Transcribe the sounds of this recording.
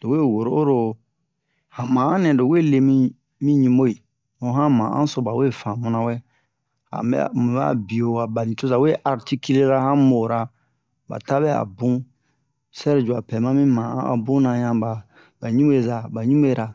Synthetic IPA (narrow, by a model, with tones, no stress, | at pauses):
d̥o˨we˦˨wo˨ɾo˦o˦ɾo˨ | hã˨mã˨ã˦nɛ̃˨do˨we˦˨le˨mĩ˦ | mĩ˦ɲĩ˦mo˦i˨ | o˨˦ɦã˦mã̰˨ʔã̰˦so˨ba˨we˦˨fã˨mũ˨˦nã˨wɛ˦ | hã̰˨bɛ̰˦˨mũ˨ba̰˦˨bi˨o˨wa˨ba˨nĩ˨to˦za˨we˦ʔa˨ɾti˦ki˦le˦ɾa˦hã˦mo˨ɾa˨ | ba̰˨ta˦bɛ˦a̰˨bũ˦ | sɛ˦ɾd͡ʒu˨a˨pɛ˨mã˦mĩ˦mã˨ã̰˦a̰˨bũ˦nã˨ɲã˦ba˨ | ba˨ɲũ˦e˦za˨ba˨ɲũ˦m˦e˦˨˦ɾa˨